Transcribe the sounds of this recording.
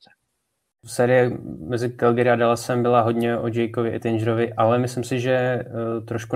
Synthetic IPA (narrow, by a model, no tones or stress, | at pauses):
sɛːɾɪjɛmɛzɪɡalɡɛɾɪadalasɛmbɪlaɦo̞dɲɛod͡ʒɛjkovɪʔɪ̰t̪ɪnd͡ʒɾovɪʔalɛmɪslɪmsɪʒɛt̪ɾoʃku